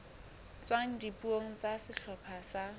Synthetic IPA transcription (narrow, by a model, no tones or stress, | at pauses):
t͡swaŋ̩dipuoŋ̩t͡sasɪɬʰɔpʰasa